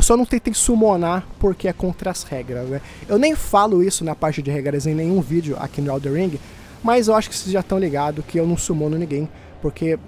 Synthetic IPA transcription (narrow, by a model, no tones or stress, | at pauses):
ewsɔnɐ̃w̃t̪ẽjʊt̪ẽsumonapoɾkeɛkõnt̪ɾɐɐshɛɡɾɐsnɛ | ewnẽj̃falʊisʊnɐpaɾt͡ʃɪd͡ʒɪhɛɡɾɐsẽj̃nẽj̃ũvid͡ʒjʊʔa̰kinʊawd̪eɾĩɡɪ | mɐzewaʃʊ̥kɪ̥sezʒat̪ɐ̃w̃liɡad̪ʊkɪewnɐ̃w̃sumõnʊnĩŋɡẽj̃ | poɾkʰe